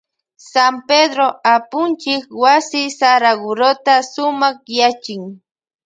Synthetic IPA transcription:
samped̪ɾoapʊnt͡ʃɪkwasɪsaɾaɡʊɾot̪asʊmɑχjat͡ʃɪŋ

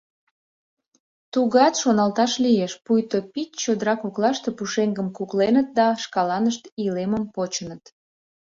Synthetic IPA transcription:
t̪uɣɑt̪ʃonɑlt̪ɑʃlijeʃpujt̪opit̪t͡ɕod̪əɾɑkuklɑʃt̪e̽puʃeŋɡəmkuklenət̪̚d̪ɑʃkɑlɑnəʃt̪ileməmpot͡ɕənət̪

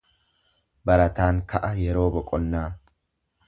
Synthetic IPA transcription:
bɐɾɐt̪aːnkɐʔɐjɛɾo̞ːbɔkʼɔnːaː

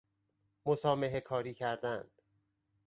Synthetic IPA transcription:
mosɒːme̞ɦekʰɒːɾiːcʰæɾd̪ænd̪̥

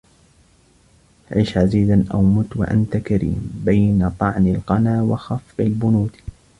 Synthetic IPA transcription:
ʕɪʃʕaziːd̪anʔawmʊt̪wa̰ʔa̰nt̪akaɾḭːmbajnat̪ˤɑʕnɪlqɑnaːwɑxɑfːɪlbʊnuːt̪

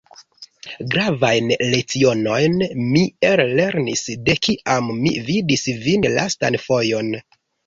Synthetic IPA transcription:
ɡɾavajnlet͡sio̞no̞jnmielle̞ɾnisde̞kiʔamːividisvinlʔa̰sta̰nfo̞jo̞n

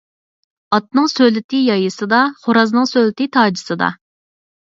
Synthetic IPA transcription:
ɑt̪̚nɨŋsøjlɪt̪ɪjɑjɨsɨd̪ɑχoɾɑznɨŋsølɪt̪ɪt̪ʰɑːd͡ʒɨsɨd̪ɑ̰

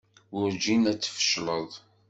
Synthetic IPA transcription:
ʊɾd͡ʒinæt͡sːə̥fə̥ʃləðˤ

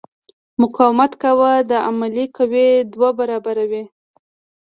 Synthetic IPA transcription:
mʊqɑwɪmat̪kawad̪əamalikawed̪wabaɾɑbaɾawi

